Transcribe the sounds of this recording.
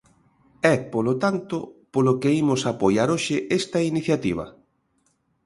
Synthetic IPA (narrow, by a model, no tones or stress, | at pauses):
ɛpolot̪ant̪ʊpolokeimʊsapojaɾoʃɪʔest̪ɐiniθjat̪iβ̞ɐ̰